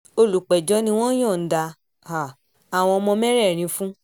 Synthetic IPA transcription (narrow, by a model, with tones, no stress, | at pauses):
o˧lu˨k͡pɛ˨d͡ʒɔ˨˦nĩ˧w̃ɔ̃˦j̃ɔ̃˦˨n̩˨˦da˧ | ha˨ | a˨w̃ɔ̃˧mɔ̃˧mɛ˦ɾɛ˦˨ɾ̃ĩ˨˦fũ˦